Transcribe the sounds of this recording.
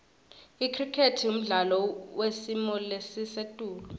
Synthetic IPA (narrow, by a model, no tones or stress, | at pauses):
ikʰrikʰetʰium̩ɮalɔwesimɔlesisetʼuːlu